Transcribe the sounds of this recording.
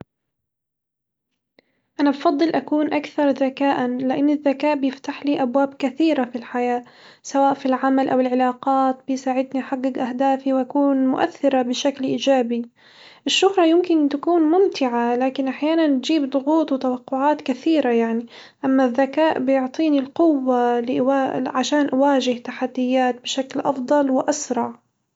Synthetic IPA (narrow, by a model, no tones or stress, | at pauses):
ʔanabfɑd̪ˤːɨlʔakuːnʔakθɑɾˤðakaːʔanlɪʔanːɪðːakaːʔbɪjɪft̪aħliːʔabwaːbkaθiːɾafilħajaː | sawaːʔfilʕamalʔawɪlʕɪlɑːqɑːt̪bɪjsaːʕɪd̪niħaɡːɪɡʔaɦd̪aːfiwʔakuːnmʊʔa̰θːɪɾabɪʃaklʔiːd͡ʒaːbi | ʔɪʃːʊhɾˤɑjɪmkɪnt̪akuːnmʊmt̪ɪʕalaːkɪnʔaħjaːnand͡ʒiːbd̪ˤʊɣuːt̪ˤwɪt̪awɑqːʊʕaːt̪kaθiːɾajaʕni | ʔamːaðːakaːʔbɪjʊʕt̪ˤiːnilqʊwːalɪʔʕaʃaːnʔawaːʒɪht̪aħad̪ːɪjːaːt̪̚bɪʃaklʔɑfd̪ˤɑlwɪʔasɾˤɑʕ